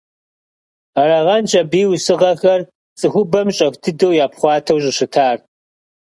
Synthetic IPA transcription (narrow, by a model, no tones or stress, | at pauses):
rɐʁɐnt͡ʃʼɐbiːwsɨʁɐxɐr | t͡sʼɨxʷʊbɐmɕʼɐxʷtʰɨdɐwjaːpχʷɑːtʰɐwɕʼɪɕɪtʰaːr